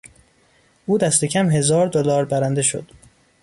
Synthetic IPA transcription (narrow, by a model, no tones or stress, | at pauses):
ʔuːd̪æst̪ʰe̞cʰæmɦe̞zɒːɾd̪olɒːɾbæɾænd̪e̞ʃo̰d̪̥